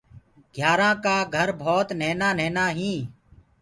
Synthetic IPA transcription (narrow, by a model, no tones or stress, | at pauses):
ɡʱjaːɾãːkaːɡʱəɾbʱoːt̪neːnaːneːnaːɦĩː